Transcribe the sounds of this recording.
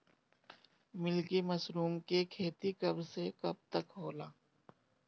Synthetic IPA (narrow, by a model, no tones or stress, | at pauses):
mɪlkimɐsɾuːmkekʰeːt̪ikɐbɾsekɐb̚t̪ɐkɦoːlaː